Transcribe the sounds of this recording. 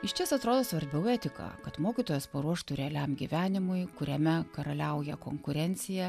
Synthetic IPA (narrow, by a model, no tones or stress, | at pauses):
ɪʃt̪ʲɛsɐt̪ɾoːd̪oːsʋɐɾʲbʲɛʊæːt̪ʲɪkɑ̰ːkɐt̪moːkʲiːt̪oːjɛspɐɾuɔʃt̪ʊɾʲɛɛlʲæmɡʲḭʋʲæːnʲɪmʊɪkʊɾʲɛmʲɛkɐɾɐlʲɛʊjɛkoːŋkʊɾʲɛnʲt̪sʲɪjæ